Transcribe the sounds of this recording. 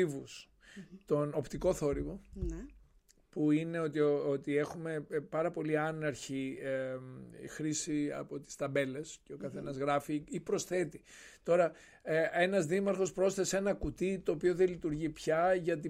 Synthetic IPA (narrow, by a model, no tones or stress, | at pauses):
ivus | t̪o̞no̞pt̪iko̞θo̞ɾivo̞ | puine̞o̞t̪iot̪ie̞xume̞pɐɾɐpo̞liɐnɐɾçi | xɾisiɐ̰po̞t̪i̥st̪ɐbe̞le̞sceo̞kɐθe̞nɐzɣɾɐfiipɾo̞sθe̞t̪it̪o̞ɾɐ | e̞nɐzðimɐɾxo̞spɾo̞sθe̞se̞nɐkut̪it̪o̞ːpio̞ðelit̪uɾʝipçɐʝɐt̪̬i